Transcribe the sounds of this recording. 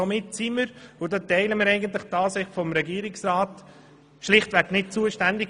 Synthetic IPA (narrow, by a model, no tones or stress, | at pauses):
omɪtsiməɾʊdɑːtɛɪləmɪːɾɛɪɡəntlɪχtɑːsɪχfɔmɾɛɡiːəɾɪksɾɑːt | ʃlɪχtʋæknɪt̚t͡suːəʃtændɪk